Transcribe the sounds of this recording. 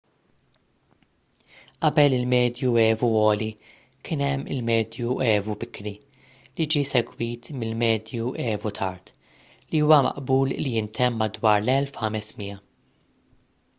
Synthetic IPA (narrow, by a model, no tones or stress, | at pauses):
ʔɐbɛlɪlmɛːd̪juɛːvuɔːli | kɪːnɛmːɪlmɛːd̪juɛːvubɪkːɾi | lid͡ʒiːsɛɡwiːt̪mɪlmɛːd̪juɛːvut̪ʰɐɾt̪ | liuːwɐmɐ̰ʔbuːllijɪnt̪ʰɛmːɐd̪wɐːɾlɛlfhɐmɛsmijɐ